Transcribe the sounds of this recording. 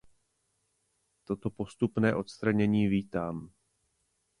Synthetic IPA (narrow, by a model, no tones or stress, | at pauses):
t̪o̞t̪o̞po̞st̪upnɛːʔo̞t̪st̪ɾaɲɛɲiːviːt̪aːm